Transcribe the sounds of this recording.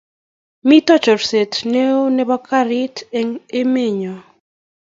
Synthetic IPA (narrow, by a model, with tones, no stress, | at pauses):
mi˦tɔ˦t͡ʃɔ˨ɾse˨tne˦o˦nɛ˦bɔ˦kʰa˦ɾɪ˦te˦ŋe˦me˦˨ɲo˨